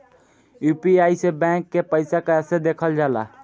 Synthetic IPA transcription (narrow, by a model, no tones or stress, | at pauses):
jupiajsebɛ̃ŋkːepəɪsakesed̪ekʰəld͡ʒala̰